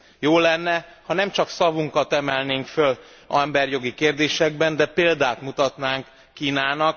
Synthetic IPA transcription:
joːlɛnːɛhɒnɛmt͡ʃɒksɒvuŋkɒt̪ɛmɛlneːŋkføl | ɛmbɛrjo̞ɡikeːrd̪eːʃɛɡ̚bɛnd̪ɛpeːld̪aːt̪mut̪ɒt̪naːŋkː | iːnaːnɒk

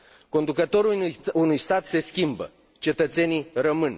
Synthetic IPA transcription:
ko̞nd̪ukət̪o̞ɾuunujst̪at̪se̞skʲimbə̰ | t͡ʃe̞t̪ət̪se̞nijrəmɨn

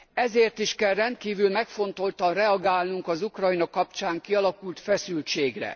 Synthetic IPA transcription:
ɛzeːrt̪iʃkɛlrɛnt̪̚kiːvylmɛkfo̞nt̪o̞lt̪ɒnrɛɒɡaːlnuŋkɒzukrɒinɒkɒpt͡ʃaːŋkiɒlɒkult̪fɛsylt͡ʃeːɡrɛ̰

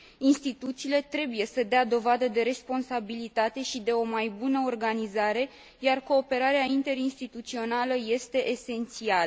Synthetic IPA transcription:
inst̪it̪ut̪siːle̞t̪ɾe̞buje̞səd̪ead̪o̞vad̪əd̪e̞ɾe̞spo̞nsabilit̪at̪e̞ʃid̪e̞o̞majbunəo̞rɡanizaɾe̞ | jarko̞ːpe̞ɾaɾeaint̪e̞ɾinst̪it̪ut̪sio̞naləje̞st̪e̞ʔese̞nt̪sial

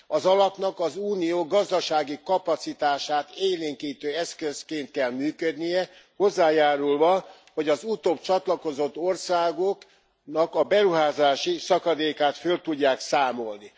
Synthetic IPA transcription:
ɒzɒlɒpnɒkɒzuːnijoːɡɒzd̪ɒʃaːɡikɒpɒt̪sit̪aːʃaːt̪eːleːŋkiːt̪øːɛskøskeːnt̪̚kɛlmyːkød̪nijɛ | ho̞zːaːjaːɾulvɒ | ho̞ɟɒzut̪oːb̚t͡ʃɒt̪lɒko̞zo̞t̪ːo̞rsaːɡok | nɒkɒbɛɾuɦaːzaːʃisɒkɒd̪eːkaːt̪følt̪uɟːaːksaːmo̞lni

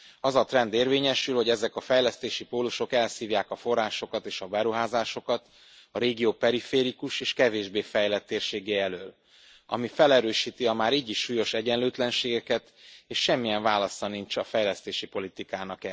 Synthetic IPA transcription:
ɒzɒt̪rɛnd̪eːrveːɲɛʃylho̞ɟɛzɛkɒfɛjlɛst̪eːʃipoːluʃo̞kɛlsiːvjaːkɒfo̞rːaːʃo̞kɒt̪eːʃɒbɛɾuɦaːzaːʃo̞kɒt̪ | ɒɾeːɡijoːpɛɾifeːɾikuʃeːʃkɛveːʒbeːfɛjlɛt̪ːeːrʃeːɡɛːɛløːl | ɒ̰mifɛlɛɾøːʃiːt̪iɒmaːɾiːɟiʃːuːjo̞ʃɛɟɛnløːt̪lɛnʃeːɡɛkɛt̪eːʃːɛmːijɛɱvaːlɒsɒnint͡ʃɒfɛjlɛst̪eːʃipo̞lit̪ikaːnɒkɛ

